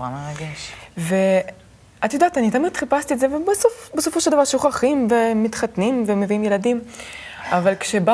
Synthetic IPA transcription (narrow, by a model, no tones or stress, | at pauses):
a̰meʁaɡeʃve̞ | atjod̪aːt̪anit̪amit̪χipast̪ietzevebesofbeso̞foʃeld̪avaʁʃuχaχimvemit̪χatnimve̞meviimje̞ladim | avalkʃeba